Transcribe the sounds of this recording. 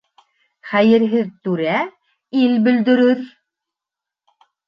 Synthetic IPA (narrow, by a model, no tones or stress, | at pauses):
χæjɘ̆ɾɦɘðt̪ʉɾæ | ilbɵ̆ld̪ɵ̆ɾɵɾ